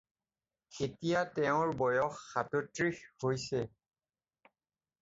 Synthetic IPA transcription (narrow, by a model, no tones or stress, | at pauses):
xetijatɛʊ̃ɹbɔjɔxːatutɹixhojsɛ